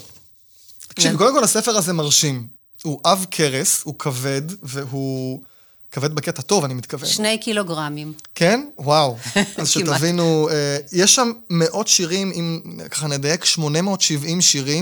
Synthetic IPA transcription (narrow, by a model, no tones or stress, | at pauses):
tt̪ḁkʃivkodemkolhasefeʁazemaʁʃim | huʔavkʰeʁeshukʰave̞d̪veɦu | kaved̪beketato̞vanimit̪kavenʃnejkiloɡʁamimkenwawazʃet̪avinuejeʃːamːeʔo̞tʃiʁimimkḁχaned̪ajekʃmo̞nemeo̞tʃivimʃiʁi